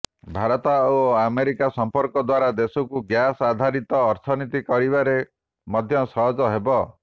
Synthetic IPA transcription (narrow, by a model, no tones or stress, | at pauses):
bʱaɾɔt̪aoameɾikasɔmpɔɾkɔd̪waɾad̪esɔkuɡjasad̪ʱaɾit̪ɔːɾt̪ʰɔnit̪ikɔɾibaɾe | mɔd̪ʱjɔsɔɦɔd͡ʒɔɦebɔ